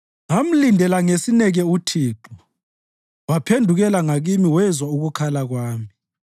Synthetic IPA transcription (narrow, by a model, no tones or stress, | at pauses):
ŋam̩lindʱɛlaŋesinɛɣɛutʰiːǃu | wapʰendʱuɣɛlaŋaɣimiwɛzwauɣukʰalaɣwaːmi